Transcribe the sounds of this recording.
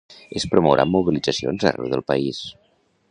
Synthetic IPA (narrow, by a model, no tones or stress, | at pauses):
espɾomowɾʔa̰mːuβilid͡zəsio̰nzə̰rɛ̰wðəlˠpəis